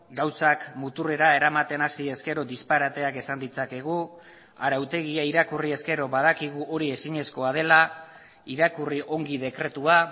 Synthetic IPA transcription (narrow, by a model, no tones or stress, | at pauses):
ɡawsakmut̪ure̞ɾae̞ɾamat̪e̞nasie̞ske̞ɾo̞d̪ispaɾat̪e̞ake̞sand̪it͡sake̞ɣ̞u | aɾawt̪e̞ɣiaiɾakurie̞ske̞ɾo̞βað̞akiɣ̞uʔo̞ɾie̞siɲe̞sko̞að̞e̞la | iɾakuriʔo̞ŋɡið̞e̞kɾe̞t̪ua